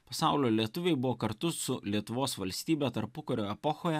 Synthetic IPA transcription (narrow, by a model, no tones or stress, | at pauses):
pɐsɑˑʊlʲoːlʲiɛt̪ʊʋʲɛɪbʊʋoːkɐɾt̪ʊsʊlʲiɛt̪ʊʋoːsʋɐlʲsʲt̪ʲiːbʲɛt̪ɐɾpʊkɐɾʲoːɛpɔxoːjɛ